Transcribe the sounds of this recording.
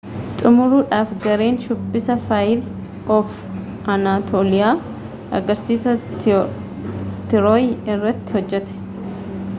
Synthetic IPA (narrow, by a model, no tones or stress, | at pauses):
t̪ʼʊmʊɾuːᶑaːfɡɐɾe̞ːnʃʊbːɪsɐfaːjɪl | ʔɔf | ʔɐnaːt̪ʰoːlɪjaː | ʔɐɡɐɾsiːsɐ | t̪ɪɾoːjɪrːɐt̪ːɪ̥hɔd͡ʒːɛt̪ɛ̥